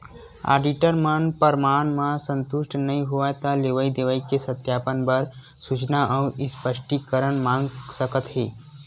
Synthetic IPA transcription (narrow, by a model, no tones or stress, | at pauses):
a̰ːɾɖiʈəɾmənpəɾmaːnmãsə̃nt̪ʊʃʈnəɦĩɦuʋat̪aleʋəid̪eʋəikesət̪jaːpənbəɾ | sut͡ʃnaʔəʊɪspəʃʈikəɾənmãːŋɡsəkət̪ɦeː